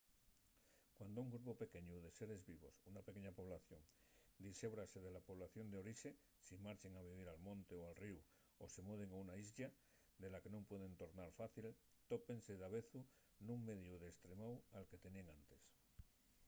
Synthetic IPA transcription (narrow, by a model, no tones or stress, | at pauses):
kwand̪ouŋɡɾupope̞ke̞ɲuð̞e̞se̞ɾe̞zβiβ̞o̞sunapeke̞ɲapo̞β̞laθjo̞ŋd̪ise̞βɾase̞ðe̞lapo̞β̞laθjo̞nd̪eo̞ɾiʃe̞ | simaɾt͡ʃe̞ŋaβiβ̞iɾalmõ̞nt̪e̞oalriu | ose̞muð̞e̞ŋaunaizʎa | d̪e̞lake̞nompwe̞ðe̞nt̪o̞ɾnaɾfaθilt̪o̞pe̞nse̞ðaβe̞θu | nũŋme̞ðjuðe̞st̪ɾemawalke̞t̪e̞nieŋant̪e̞s